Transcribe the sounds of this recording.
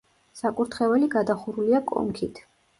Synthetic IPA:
sakʼuɾt̪ʰχɛvɛliɡad̪aχuɾuliakʼɔ̰mkʰit̪ʰ

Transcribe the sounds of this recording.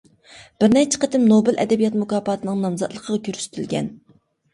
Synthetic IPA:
b̥ɪɾnɛt͡ʃʰːɪ̥qʰət̪ɪmnobɪlʔɛ̰d̪ɛbijɑt̪mukɑːpʰɑːt̪ʰɨnɨŋnɑmzɑ̰t̪lˠəqʰəʁɑkʲʰøɾsy̥t̪ʰylɡʲɛ̰n

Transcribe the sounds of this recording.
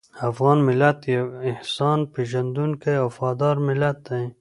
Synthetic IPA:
afɣɑːnmɪlat̪jeɪhsɑːnpeʒɐnd̪unkeafɑːd̪ɑːɾmɪlat̪̚ːaj

